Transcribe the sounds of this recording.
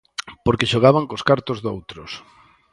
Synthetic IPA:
poɾkeʃoɣ̞aβaŋkoskaɾt̪ozðowt̪ɾʊs

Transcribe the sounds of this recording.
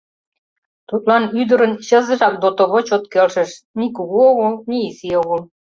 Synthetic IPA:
t̪ut̪̚lɑnyd̪ə̆ɾə̆nɕɤ̆zɤ̆ʒɑk̚d̪ot̪oβot͡ɕot̪kelʃə̆ʃ | nikuɣuoɣolniːsioɣol

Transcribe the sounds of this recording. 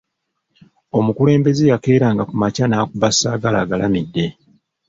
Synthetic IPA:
o̞mukule̞ːmbe̞zejake̞ːɾaːŋɡakumacanaːkuβasaːɡalaːɡalamidːe̞

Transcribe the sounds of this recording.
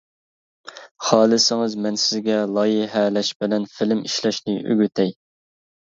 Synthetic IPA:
χɑːlˠɨsɪŋɨzmɛnsɪzɡʲɛlˠɑːjɪɦɛlɛʃbɪlɛnfɪlɪmiʃlɛʃnɪʔy̰ɡʲyt̪ʰɛj

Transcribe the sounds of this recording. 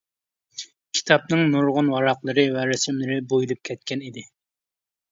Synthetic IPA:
kʲʰi̥t̪ʰɑp̚nɨŋnuɾʁʊnwɑɾɑqlˠɨɾɨvɛɾɛsɪmlɪɾɪbojilˠɨp̚kʲʰɛt̪̚kʲʰɛnid̪ɪ

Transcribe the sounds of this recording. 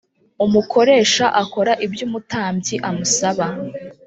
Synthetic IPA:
umukʰo̞ɾe̞ːʃaʔako̞ɾaʔibjuːmutaːmbɟiʔamusaβa

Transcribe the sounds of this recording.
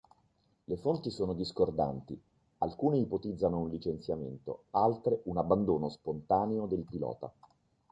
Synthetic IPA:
lefont̪isoːnod̪iskord̪a̰nt̪i | alkuːneipot̪id̪zːanounlit͡ʃent̪sjamḛnt̪o̰alt̪ɾeunabːand̪oːnospont̪aːneod̪elpilɔ̰ːt̪a̰

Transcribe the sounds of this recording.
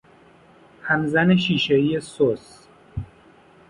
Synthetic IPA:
hæmzæneʃiːʃeijesos

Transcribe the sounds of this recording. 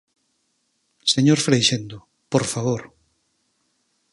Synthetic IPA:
seɲoɾfɾejʃend̪ʊ | poɾfaβoɾ

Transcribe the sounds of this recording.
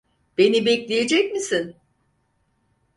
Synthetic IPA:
b̥e̞nibɛclʲeje̞d͡ʒɛc̚misin

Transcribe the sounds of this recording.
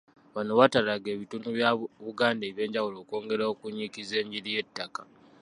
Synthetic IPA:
βanoβatalaɡe̞ːβitunuβjaβuɡaːndeːβje̞ːɲɟawulo̞ːko̞ːŋɡe̞ɾaokuɲːikize̞ːɲɟiɾije̞tːakḁ

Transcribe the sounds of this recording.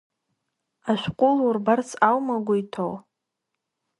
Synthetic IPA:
aʃʷᶣqʷʼʊlurbart͡sʰawmaɡʷaitʰow

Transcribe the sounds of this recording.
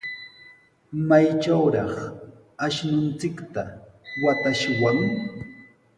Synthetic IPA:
majt͡ʃawɾɑχ | aʃnʊnt͡sɪkt̪awat̪aʃwaŋ

